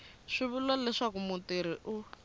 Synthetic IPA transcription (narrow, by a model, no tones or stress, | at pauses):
ʂiβulɔlɛʂakumutiɾ̤iʔu